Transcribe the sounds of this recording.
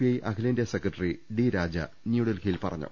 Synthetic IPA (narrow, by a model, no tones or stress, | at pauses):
iɐjʔɐkʰileːndjɐsekrɐʈːɐriɖiɾaːd͡ʑɐ̰ | njuːɽɐlkʰijilpɐrɐ̰ɲːṵ